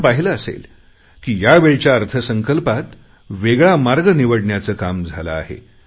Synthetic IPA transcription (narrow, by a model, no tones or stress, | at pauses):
paɦiləːsḛl | kiːjaʋeɭt͡ɕjaəɾt̪ʰəsəŋkəlpat̪ | ʋeɡɭamaɾɡəniʋəɽɳjat͡səːkamd͡zʱala̰ːɦḛ